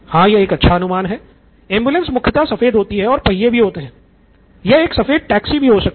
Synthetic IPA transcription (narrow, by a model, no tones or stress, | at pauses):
hãːjɐeːkɐtːʃʰaɐnʊmaːnɦɛː | ẽːmbjulə̃nsmʊkʰjɪt̪asɐfeːd̪ɦoːt̪iɦɛ̃ɔːɾpɐɦijebʱiɦoːt̪eɦɛ̃ː | jɐeːksɐfeːd̪̚ʈɛːksibʱiɦosɐk̚